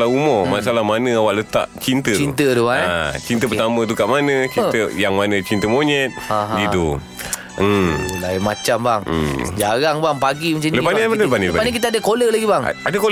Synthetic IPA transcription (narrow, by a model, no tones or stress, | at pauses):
laumɔmasalahmanə̃awaʔlət̪a̰ʔt͡ʃint̪ətint̪ət̪uaat͡ʃint̪əpət̪amə̃t̪̬ukaʔmanə̃t͡ʃinəjaŋmanə̃t͡ʃint̪əmoɲɛt̪̚aɦdido | əlamat͡ʃambaŋ̰d͡ʒaɣaŋbaŋpaɡimat͡ʃanləpaniapanələpaniləpapanəkit̪aadəkoləlaɡibaŋadəko